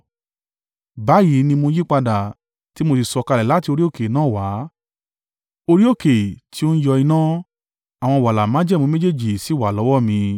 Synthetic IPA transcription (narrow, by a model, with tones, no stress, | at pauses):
ba˨˦ji˨˦nĩ˧mõ˧ji˦k͡pa˧da˨ | ti˨˦mo˧t̬i˧sɔ˧ka˧lɛ˨la˨˦ti˧o˧ɾi˦o˦˨ke˨nãː˦˨wa˨˦ | o˧ɾi˦o˦˨ke˨tʰi˦o˦n̩˦jɔ˧i˧nã˦ | a˨w̃ɔ̃˧wa˨la˨mã˨˦d͡ʒɛ˦m˨ũ˨˦mẽ˦d͡ʒe˦˨d͡ʒi˨si˨˦wa˨lɔ˨˦wɔ˦˨mĩ˧